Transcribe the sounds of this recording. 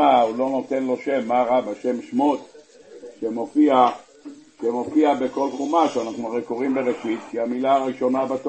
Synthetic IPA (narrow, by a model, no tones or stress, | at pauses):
aulo̞not̪e̞nlo̞ʃe̞mːaʁabaʃe̞mʃmot̪ | ʃemofia | ʃemofiabeko̞lχumaʃeanaχnuaʁeko̞ʁimbe̞ʁeʃit̪kiamilaːʁiʃo̞nabat̪o